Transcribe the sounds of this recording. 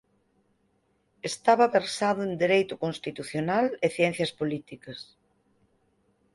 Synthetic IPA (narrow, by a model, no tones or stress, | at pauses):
est̪aβɐβeɾsaðʊend̪eɾejt̪ʊkonst̪it̪uθjonaleθjɛn̟θjɐspolit̪ikɐs